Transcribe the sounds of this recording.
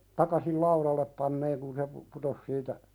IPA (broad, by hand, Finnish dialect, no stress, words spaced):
tɑkɑsil lɑuɾɑlːep pɑnːeːŋ kun se pu putos siːtæ